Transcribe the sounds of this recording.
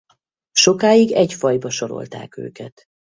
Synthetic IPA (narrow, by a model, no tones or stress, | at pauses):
ʃo̞kaːjiɡɛɟfɒjbɒʃo̞ɾo̞̰lt̪a̰ːkø̰ːkɛt̪